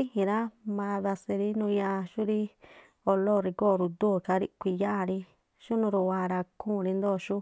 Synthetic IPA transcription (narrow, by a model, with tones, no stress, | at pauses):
i˦hĩ˨ɾa˦mã˧ða˧se˧ɾi˦nũ˧ɲã˦˧ʃu˦ɾi˦ | o˧lo˦˨˧ɾi˧ko˦˨ɾu˧d̪u˦˨ka˧˦ɾi˦kʷi˧ja˦ʔɾi˧ | ʃu˦nũ˧ɾu˧˨wa˧ɾa˧kʰũː˦˨˧ɾi˧nd̪o˦˨ʃu˦